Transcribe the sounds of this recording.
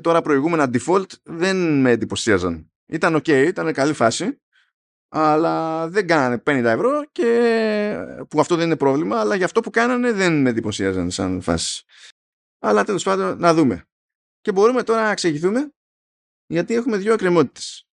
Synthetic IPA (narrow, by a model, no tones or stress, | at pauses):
t̪o̞ɾɐpɾo̞iɣume̞nɐd̪ifo̞lt̪ðe̞nme̞ːd̪ipo̞siɐzɐ̰n | it̪ɐno̞ce̞iit̪ɐne̞kɐlifɐsi | ɐlɐðe̞ŋɡɐnɐne̞pe̞nind̪ɐevɾo̞ce̞ | puɐft̪o̞ðe̞nine̞pɾo̞vlimɐːlɐʝɐft̪o̞pukɐnɐne̞ðe̞nmend̪ipo̞siɐzɐ̰nsɐ̰nfɐ̰si̥s | ɐlɐt̪e̞lo̞spɐd̪o̞nːɐðume̞̰ | ce̞bo̞ɾume̞t̪o̞ɾɐnɐkseʝiθume̞ | ʝɐt̪ie̞xume̞ðʝoekɾemo̞t̪i̥t̪e̥s